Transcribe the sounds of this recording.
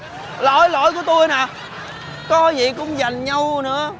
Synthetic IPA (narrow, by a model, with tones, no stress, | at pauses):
lo̰˧˥jlo̰˧˥˦jku˧˩ət̪o˧jnaː˨˩ | kɔ˨˦zḭ˧˨kʊ̰˧˥ŋ͡mza˨˩jŋ̟ɲa˧wnɨ̰˧˥ə